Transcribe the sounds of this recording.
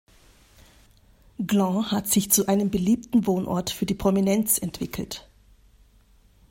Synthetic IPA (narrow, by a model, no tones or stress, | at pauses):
ɡlɑ̃hatz̥ɪçt͡suʔaɪnəmbəliːp̚tn̩voːnʔɔ̰ɐtfyːɐdiːpʁ̥ominɛnt͡sɛntv̥ɪkʰl̩t